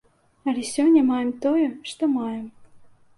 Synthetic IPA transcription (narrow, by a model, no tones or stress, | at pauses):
ɑlʲisʲonʲemɑjemt̪ojəʃt̪omɑjəm